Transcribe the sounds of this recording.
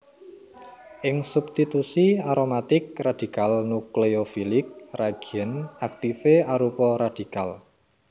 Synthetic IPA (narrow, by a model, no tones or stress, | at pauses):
ʔɪŋsubst̪it̪usiaɾomat̪ɪk̚rad̪̥i̤kalnukleofilɪk̚raɡ̥ənak̚t̪ifeaɾupɔɾad̪̥i̤kal